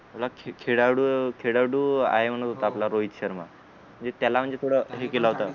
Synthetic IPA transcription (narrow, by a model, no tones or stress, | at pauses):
aplakʰekʰeɽaɽukʰeɽaɽuːa̰ɦem̤əɽ̃ət̪ɦot̪aːplaɾoit̪ɕəɾma̰ | m̤əɳd͡zet̪jalam̤əɳd͡zet̪ʰoɽəɦekelaɦot̪a